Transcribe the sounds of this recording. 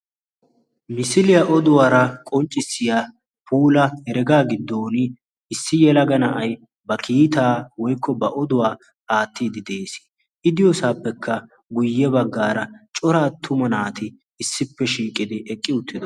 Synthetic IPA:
mɪsɪlɪjɐʔɔd̪ʊwaːɾɐkʼɔnt͡ʃʼːɪsːɪja | pʰuːlɐhɛɾɛɡaːɡɪd̪ːoːnɪ | ɪsːɪjɛlɐɡɐnɐʔɐj | bɐkʰiːt̪aːwɔjkːɔbɐʔɔd̪ʊwaː | aːt̪ːiːd̪ɪd̪eːsɪ̥ | ʔɪd̪ɪjɔsaːpːɛkʰːɐ | ɡʊjːɛbɐɡːaːɾɐt͡ʃʼɔɾaːt̪ʰːʊmɐnaːt̪ɪː | sːɪpːɛʃiːkʼɪd̪ɪʔɛkʼːɪʊt̪ːɪd̪ɔ

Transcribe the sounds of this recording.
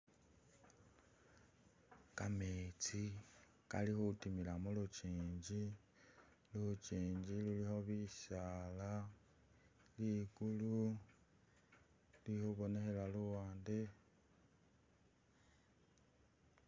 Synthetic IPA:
kamet͡si | kalixutimilamulut͡ʃiːɲɟi | lut͡ʃiːɲɟilulixo̞βisala | liɡulu | lihuβo̞ne̞xelaluwaːnde

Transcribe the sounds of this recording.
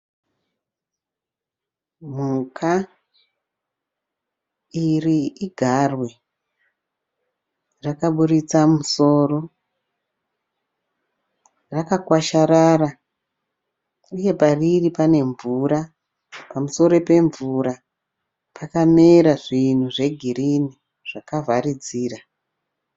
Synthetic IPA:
mukʰa | iriiɡʱarwe | rakaɓuɾit͡samuso̞ːro̞ | rakakwaʃaɾara | uje̞pariripane̞ɱvuɾa | pamuso̞ɾo̞pe̞ɱvuɾa | pʰakame̞ɾaʐin̤uʐe̞ɡʱiɾini | ʐ̥akavaɾid͡ziːra

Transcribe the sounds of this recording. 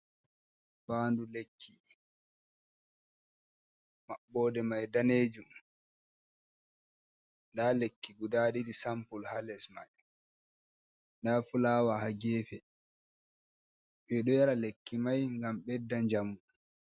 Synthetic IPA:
fandulekʰːi | maɓːɔːdɛmajdaneːd͡ʒum | ndalekːiɡudaɗidisampulhalɛsma̰j | ndaːfulaːwahaɡɛːfɛ | ɓɛɗɔjaɾalekːimajŋɡamɓɛdːaɲd͡ʒamu

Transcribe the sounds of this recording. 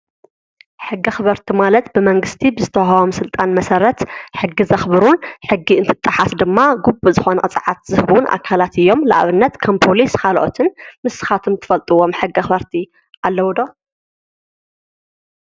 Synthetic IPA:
ħɨɡːɐxɨβɐɾt̪ʰimalɐt̪bɨmɐŋɡɨst̪ʰibɨzɨt̪ʰɐwawomsɨlt̪ʼanmɐsɐɾɐt̪ħɨɡːizɐxbɨɾunħɨɡːiɨnt̪ʰɨt̪ʼːɨħasd̪ɨmːaɡubuzɨxo̞nɐqʼɨt͡sʼɨʕat̪zɨhɨβunʔa̰kʰalat̪ɨjːo̞mla̰ʔβɨnːɐt̪kʰɐmpʰo̞liskʰalʔo̰t̪ʰɨnmɨsɨ̥xat̪ʰɨmt̪ʰɨ̥fɐlt̪ʼɨwo̞mħɨɡːɐxɨβɐɾt̪ʰi | ʔalːɐwd̪o

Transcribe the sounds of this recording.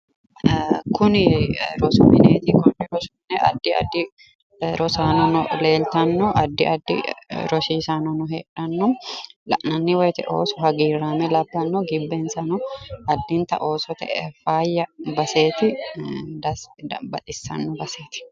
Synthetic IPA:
kʊnɪɾɔsɔmɪnḛːt̪ɪkɔnɪɾɔsɔnːɛʔɐ̰d̪ːɪɐ̰d̪ːɪ | ɾɔsaːnɔnɔle̞ːlt̪ɐnːɔʔɐd̪ːɪɐd̪ːɪ̰ɾɔsiːsaːnɔnɔheːᶑɐnːɔmlɐ̰ʔnɐnːɪwɔjt̪ɛʔo̰ːsɔhɐɡiːɾːaːmɛlɐbːɐnːɔɡɪbːeːnsɐnɔɐd̪ːɪnt̪ɐ̰ʔoːsɔt̪ɛ̰ʔɛfaːjːɐbɐse̞ːt̪ɪd̪ɐbɐt̪ʼɪsːɐ̰nːɔbɐseːt̪ɪ̥

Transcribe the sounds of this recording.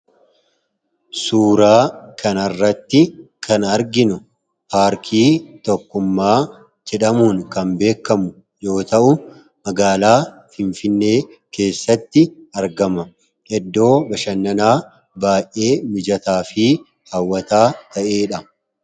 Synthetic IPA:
suːɾaːkʰɐnɐrːɐt̪ːɪkʰɐnɐɾɡɪnʊ | paːɾkʰiːt̪ɔkːʊmːaː | d͡ʒɛᶑɐmuːŋkɐmbe̞ːkːɐmʊ | jo̞ːt̪ɐʔʊ | mɐɡaːlaː | fɪnfɪnːe̞ː | ke̞ːsːɐt̪ːɪɐɾɡɐmɐ | ʔɛd̪ːo̞ːbɐʃɐnːɐnaː | baːjʔʔe̞ːmɪd͡ʒɐt̪aːfi | hɐwːɐt̪aːt̪ɐʔe̞ːᶑɐ

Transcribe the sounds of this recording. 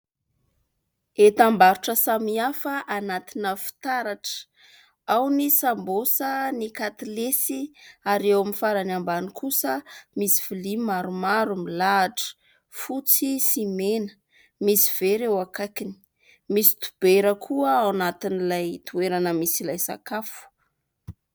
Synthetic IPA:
et̪ambaɾuʈ͡ʂəsamiafəʔanat̪inəfi̥t̪aɾaʈ͡ʂə̥ | awnisambosənikat̪ilesiaɾewaminfaɾanambanikʰusəmisi̥v̥ilimaɾumaɾumilaʈ͡ʂə̥ | fut͡sisimenə̥ | misi̥v̥eɾewakakini̥ | misi̥t̪u̥b̥eɾəkʰuəawnat̪inilajt̪ueɾanəmisilajsa̰kafu̥

